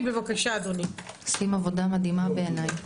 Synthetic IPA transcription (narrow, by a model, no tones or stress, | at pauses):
bevakaʃazonisimavo̞damad̪imabeenaj